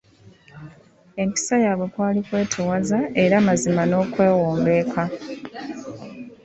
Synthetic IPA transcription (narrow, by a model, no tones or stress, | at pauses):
e̞mpi̥sajaːβwe̞kwaːlikwe̞ːtʰewazae̞ɾamazimano̞ːkwe̞ːwoːmbe̞ːkʰa